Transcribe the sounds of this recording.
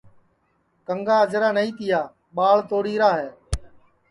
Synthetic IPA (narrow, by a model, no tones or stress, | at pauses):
kəŋɡaːəd͡ʒɾaːnəĩːt̪ɪjaː | ɓaːɭt̪oːɽiːɾaːɦeː